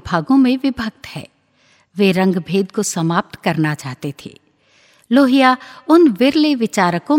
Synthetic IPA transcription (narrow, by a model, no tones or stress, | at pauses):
bʱaːɡõmẽʋɪbʱək̚t̪hɛ̰ː | ʋeːɾɐ̃ŋɡbʱeːd̪̚kosɐmaːp̚t̪kɐɾnat͡ʃaːɦt̪et̪ʰḛː | loːɦijaʊnʋɪɾleʋɪt͡ʃaːɾəkõ